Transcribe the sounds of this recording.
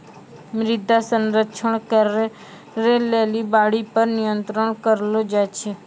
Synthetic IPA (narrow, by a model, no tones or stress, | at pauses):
mɾɪd̪ʱasənɾəkʃʰəɳ̃kəɾe | ɾelelibaːɽipəɾnɪjənt̪ɾəɳkəɾlod͡ʒat͡ʃʰe